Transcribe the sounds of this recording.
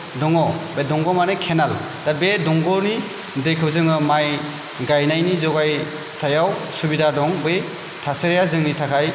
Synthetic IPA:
dɔŋɔbedɔŋɡɔmanɯkʰenal | d̥abedɔŋɡɔni | dɯjkʰɯwzɯŋɯmaj | ɡajnajnizɔɡaj | tʰajawsubidadɔŋbɯj | tʰaseɾjazɯŋnitʰakʰaj

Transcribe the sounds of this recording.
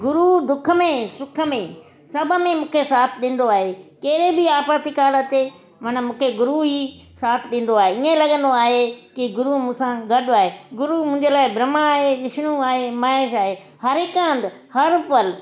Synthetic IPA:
ɡʊɾud̪ʊkʰə̆mẽsʊkʰə̆mẽ | sɐbʱə̆mẽmũːkʰesaːt̪ʰɗɪ̃ːn̆d̪oaːɦekɐːɪɾebɪaːpɾət̪ikaːlət̪e | mɐnə̆mũːkʰeɡʊɾuɦi | saːt̪ʰɪɗĩːn̆d̪oaːɦeiẽlɐɠə̃nd̪oaːɦekiɡʊɾumũːsãɡɐɗʊaːɦeɡʊɾumʊ̃ːɪ̃ɲd͡ʑelaːɪbɾɐmaaːɦeʋɪʃɽ̃ũaːɦemaːɪʃaːɦe | hɐɾɪkãːnd̪ɪ | hɐɾpəl

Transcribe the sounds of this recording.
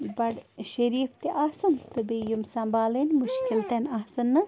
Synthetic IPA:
bɐɽʃɐɾiːft̪eʔaːsɐnt̪ɨbijumsɐmbaːlenʲmuʃkilt̪enaːsɐnːɨ

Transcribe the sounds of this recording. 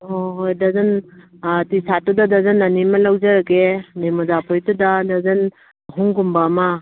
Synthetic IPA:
oɦojdazɐn | tisatudadazanɐnimɐlawzaɾaɡememɔzapʰojtudadazɐn | ɦuŋɡumbama

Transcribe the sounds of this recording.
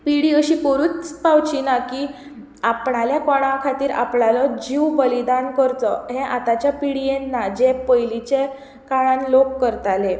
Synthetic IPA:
piɽiːəɕiːkəɾuːt͡spawt͡ɕinaki | apɳaljakɔɽ̃ãkʰat̪iːɾa̰pnalɔd͡ʑiʋbəlid̪ankəɾt̪ɔɦẽʔat̪at͡ɕjapiɽijenːad͡ʑepəjlit͡ɕe | kaɽ̃ãnlokːəɾt̪ale

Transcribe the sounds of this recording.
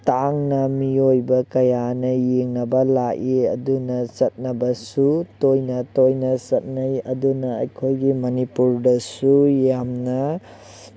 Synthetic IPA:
taŋnɐmiojbɐkɐjanɐjeŋnɐbɐlaʔiɐdunɐt͡ʃɐt̚nɐbɐsutojnɐtojnɐsɐt̚najɐdunɐɐ̰jkʰojɡimɐnipuɾdɐsujamnɐ

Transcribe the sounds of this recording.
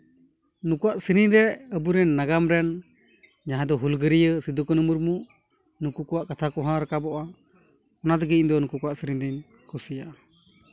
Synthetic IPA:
nukuaʔsiɾiɾɛəbuɾɛnːaɡamɾɛn | ɲaɦãd̪ɔɦulɡəɾijəsid̪ukɔnumuɾmuʔ | nukukɔwaʔkat̪ʰakɔɦãɾakabɔʔa | ɔnad̪ɔɡiɲd̪ɔnukukɔwaʔsəɾiɲd̪in | kɔsija

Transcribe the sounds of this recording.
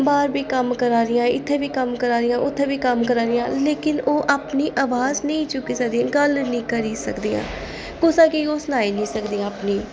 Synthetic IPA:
baːɾbiːkəmkəɾaːɾɪjãːɪt̪ʰːeːʋiːkəmkəɾaːɾɪjãːʔʊt̪ʰːẽːʋiːkəmkəɾaːɾɪjãːleːkɪnoːʔaːpniːʔaːʋaːznəĩːt͡ʃʊkːiːsək̚d̪ĩãːɡəlnĩːkəɾiːsəkd̪iːã̰ː | kʊsãːkiːoːsənaːiːnĩːsəkd̪iːãːpniː

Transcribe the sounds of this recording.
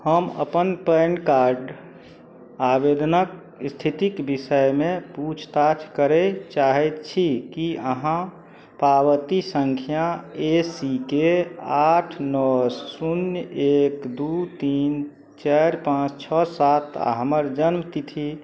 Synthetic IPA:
həmə̰pənpəɳkaɾɖ | abed̪ʱnək | st̪ʰit̪ikbisəjmẽput͡ʃʰt̪at͡ʃʰkəɾɛt͡ʃaɦɛt̪t͡ʃʰikiəɦã | pabət̪isəŋkʰijaesikeaʈʰnɔssunjekd̪ut̪in | t͡ʃaɾpãt͡ʃʰt͡ʃʰɔsat̪ʰa̰ɦəməɾd͡ʒənmt̪it̪ʰi

